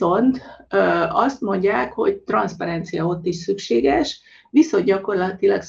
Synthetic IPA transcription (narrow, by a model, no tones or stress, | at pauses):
o̞nt̪øɒst̪mo̞ɲɟaːkho̞̰ɟt̪rɒnspɒɾɛnt̪sijɒo̞t̪ːiʃsykʃeːɡɛʃ | ʋiso̞nɟɒko̞rlɒt̪ilɒ̰ks